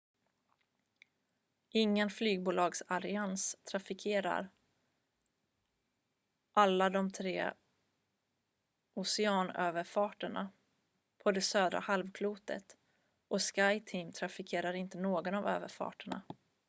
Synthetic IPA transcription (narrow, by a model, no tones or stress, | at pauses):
ʔɪŋːənflyːɡ̚buːlɑːɡsalɪanst̪ʰɾafɪkʰeːɾa̰ɾ | ʔalːad̪ɔmt̪ʰɾḛː | ʊsɛɑːnøːvəɾfɑːʈəɳa̰ | pʰɔd̪ɛsøːd̪ɾa̰halvkʰluːt̪ə̰t̪ | ʔɔskajt̪ʰiːmt̪ʰɾafɪkʰeːɾaɾɪnt̪ənoːɡɔnavø̰ːvəɾfɑ̰ːʈəɳa̰